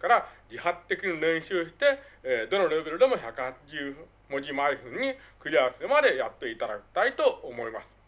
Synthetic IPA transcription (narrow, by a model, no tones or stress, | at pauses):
kaɾad͡ʑihat̪ːe̞kʲiɲ̟iɾẽ̞ɰ̃ɕɨːɕi̥t̪e̞d̪o̞no̞ɾe̞be̞ɾɯ̟d̪e̞moçakɯ̟hat͡ɕiʑɨː | mo̞d͡ʑimaiɸɯ̟̃ɲ̟ːikɯ̟ɾʲiaseɾɯ̟mad̪e̞jat̪ːe̞it̪ad̪a̰ki̥t̪ait̪o̞ːmo̞imasɨ̥